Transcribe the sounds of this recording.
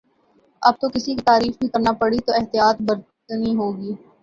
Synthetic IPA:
ɐb̚t̪okɪsikit̪aːɾiːfbʱikɐɾnapɐɽit̪oɪɦt̪ijaːt̪bɐɾt̪ | niɦoːɡiː

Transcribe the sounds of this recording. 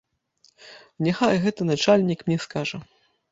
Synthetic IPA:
nʲɛxajɣɛt̪ɐnat͡ʂalʲnʲikmnʲɛskaʐɐ

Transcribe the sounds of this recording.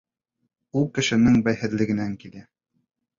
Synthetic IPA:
ulˠkɘ̆ʃɘ̆nɘŋbæjhɘ̆ðlɘ̆ɡɘ̆næŋkilæ

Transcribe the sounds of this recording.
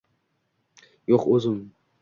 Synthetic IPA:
joqɵzɪm

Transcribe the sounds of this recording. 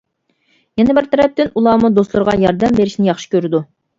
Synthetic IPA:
jɛnɛbɪɾt̪ʰɛɾɛp̚t̪ɪnulˠɑːmud̪oslˠʊɾʁɑjɑɾd̪ɛmbeɾɪʃnɪjɑχʃɨ̥kʲøɾɪd̪u

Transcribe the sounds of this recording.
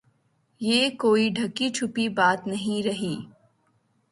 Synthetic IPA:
jeːkoːiɖʱɐkit͡ʃʰʊpibaːt̪nɐɦĩɾɐɦiː

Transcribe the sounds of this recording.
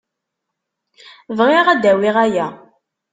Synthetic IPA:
vʁɪʁæd̪æwiʁæjæ

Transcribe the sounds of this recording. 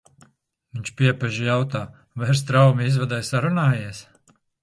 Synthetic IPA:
viɲʲt͡ʃpʲiɛpɛʒijawt̪aː | vɛɾs̬t̪ɾawmiizvad̪ajsaɾunaːjiɛs

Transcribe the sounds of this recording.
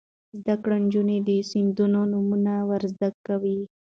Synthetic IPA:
zd̪akɽand͡ʒuned̪əsind̪unonumunawaɾzd̪akːawi

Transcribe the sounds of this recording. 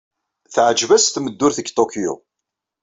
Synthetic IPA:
θʕd͡ʒvæsθməd̪ːʊɾθəɡt̪okjṵ

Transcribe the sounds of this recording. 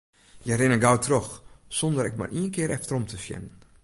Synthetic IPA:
jərɪnəɡawtʰroxsɔndəɾɛk̚ma̰riənkɪːɾɛftərɔmtʰəfjɛ̰nən

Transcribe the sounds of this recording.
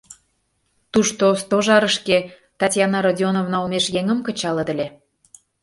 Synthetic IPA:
t̪uʃt̪ost̪oʒɑɾəʃke | t̪ɑtʲjɑnɑɾodʲonovnɑlmeʃjeŋə̆mkə̆t͡ɕɑlə̆d̪ə̆lʲe

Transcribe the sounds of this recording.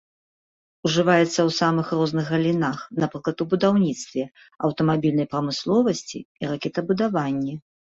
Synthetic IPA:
uʐɨvajɛt̪sːɐwsamɨxrɔznɨxɣɐlʲinaxnapɾɨklˠɐt̪ubud̪awnʲit̪st̪vʲɛ | ɐwt̪ɐmabʲilʲnɐjpɾɐmɨslˠɔvɐsʲt͡sʲḭiɾakʲɛt̪ɐbud̪avanʲːi

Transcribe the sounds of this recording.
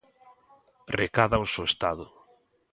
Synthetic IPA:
rekaðaosewest̪aðʊ

